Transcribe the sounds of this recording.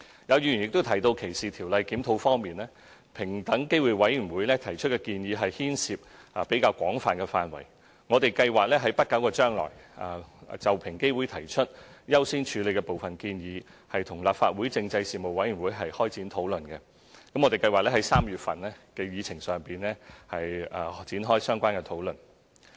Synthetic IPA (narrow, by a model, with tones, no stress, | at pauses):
jɐ˨˧wjyː˧˩jy˨˩njɪ˨k̚t̪o˥wt̪ʰɐ˨˩jt̪o˧wkʰe˨˩jsiː˨t̪ʰiː˨˩wlɐ˨˧jkiː˨˥mt̪ʰo˧wfɔː˥ŋmiː˨nlɛː˥ | pʰɪ˨˩ŋt̪ɐ˨˥ŋke˥jwuː˨˩jwɐ˨˥jjyː˨˩nwuː˨˥jlɛː˥t̪ʰɐ˨˩jt͡ʃʰɵ˥t̚kɛ˧kiː˧njiː˨˧ɦɐ˨jhiː˥nsiː˨p̚aː˨˩pe˨˥jkaː˧wkʷɔː˨˥ŋfaː˨nkɛ˧faː˨nwɐ̰˨˩j | ŋɔ˨˧t̪e˨jkɐ˧jwaː˨k̚lɛː˥ɦɐ˨˥jpɐ˥t̚kɐ˨˥wkɔː˧t͡ʃœː˥ŋlɔ̰ː˨˩ja̰ː˨˩˨t͡sɐ˨wpʰɪ˨˩ŋke˥jwuː˨˥jt̪ʰɐ˨˩jt͡ʃʰɵ˥t̚jɐ˥wsiː˥nt͡ʃʰyː˨˧le˨˧jkɛ˧po˨wfɐ˨nkiː˧njiː˨˧ | hɐ˨jt̪ʰʊ˨˩ŋlaː˨p̚fa̰ː˧t̚wuː˨˥jt͡sɪ˧ŋt͡sɐ˧jsiː˨˩mo˨wɐ˨˥jɥy˨˩nwuː˨˥jɦɐ˨jhɔː˥jt͡siː˨˥nt̪ʰo˨˥wlɵ˨nkɛ˧ | kɐ˨˥mɔ˨˧t̪e˨˩kɐ˧jwaː˨˩lɛ˥ɦɐ˨˥jsaː˥mjyː˨t̚fɐ˨nlɛ˥kɛː˧jiː˨˧t͡sʰɪ˨˩ŋsœː˨˩ŋpiː˨˩nlɛː˥hɐ˨jaː˨t͡siː˨˥nɦɔː˥jsœː˥ŋkʷaː˥nkɛ˧t̪ʰo˨˥wlɵ˨˩n